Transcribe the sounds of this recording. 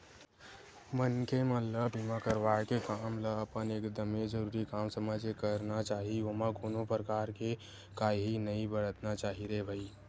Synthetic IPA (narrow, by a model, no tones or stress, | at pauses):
mənkemət̪ləbimãkəɾʋaekekamləəpənekd̪əmed͡ʒəɾuːɾikamsəməd͡ʒekəɾnat͡ʃaːɦiomãkoːnopɾəkaːɾke | kaːiɦinəĩbəɽət̪nat͡ʃaːɦiɾebʱəi